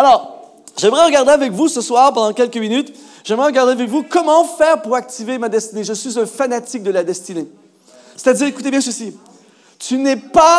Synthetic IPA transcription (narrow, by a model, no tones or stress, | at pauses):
alɔːʁ | ʒɛmʁɛʁəɡaʁd̪eavɛkvusəswaːʁpɑ̃d̪ɑ̃kʲɛlkəminyt̪ | ʒɛmʁɛʁəɡaʁd̪eavɛkvukɔmɑ̃fɛːʁpuʁak̚t̪ivemad̪ɛst̪ineʒəsɥizɛ̃fanat̪ik̚d̪əlad̪ɛst̪ine | se̥t̪ad̪iːʁekut̪ebjɛ̃s̬əsi | t̪ynɛpa